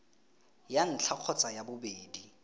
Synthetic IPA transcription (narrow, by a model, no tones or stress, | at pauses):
jan̩t͡ɬʰaq͡χʰɔt͡sʼajabʊbeːdi